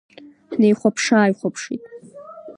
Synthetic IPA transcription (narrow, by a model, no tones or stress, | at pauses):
nejχʷapʰʂaːjχʷapʰʂḭtʼ